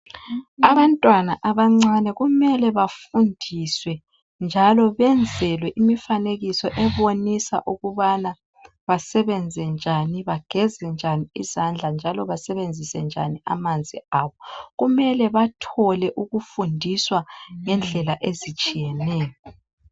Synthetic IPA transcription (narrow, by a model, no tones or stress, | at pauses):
aβantʼwanaʔaβaŋ͡ǀanɛɣumɛlɛβafundʱiswɛ | nd͡ʒʱalɔβɛnd͡zʱɛlwɛʔimifaneɣisɔʔɛβonisa̰ʔuɣuβana | βasɛβɛnd͡zʱɛnd͡ʒʱaniβaɡ̥ʱɛzɛnd͡ʒʱaniizand͡ɮʱand͡ʒʱalɔβasɛβend͡zʱisɛnd͡ʒʱa̰niʔa̰mand͡zʱiaβɔɣumɛlɛβatʰɔlɛʔuɣufundʱiswaŋɛnd͡ɮʱɛlaʔezit͡ʃʼijɛnɛːjɔ